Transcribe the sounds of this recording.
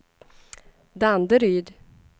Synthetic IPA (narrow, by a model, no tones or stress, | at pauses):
d̪and̪əɾyːd̪